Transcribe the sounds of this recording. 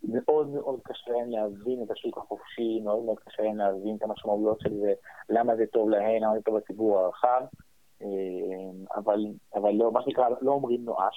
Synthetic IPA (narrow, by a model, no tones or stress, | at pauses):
me̞ʔo̞d̪meʔo̞d̪kaʃeemlehavine̞t̪aʃukaχofʃimeo̞d̪meo̞d̪̚kaʃeemlehavinet̪amaʃmaujo̞t̪ʃe̞lze̞lamazet̪o̞vlahe̞mlamazet̪o̞vat͡sibuʁaʁaχav | ʔema̰valavalːomaʃenikʁaloomʁimnoʔaʃ